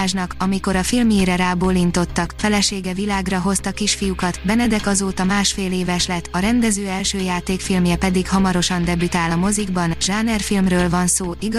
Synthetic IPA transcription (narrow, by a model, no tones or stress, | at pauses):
ʒnɒkɒmiko̞ɾɒfilmjeːɾɛɾaːboːlint̪o̞t̪ːɒkfɛlɛʃeːɡɛvilaːɡrɒɦo̞st̪ɒkiʃfijukɒt̪bɛnɛd̪ɛkɒzoːt̪ɒmaːʃfeːleːvɛʃlɛt̪ːɒɾɛnd̪ɛzøːɛlʃøːjaːt̪eːkfilmjɛpɛd̪ikhɒmɒɾo̞ʃɒnd̪ɛbyt̪aːlɒmo̞ziɡbɒnʒaːnɛrfilmrøːlvɒnsoːʔiɡ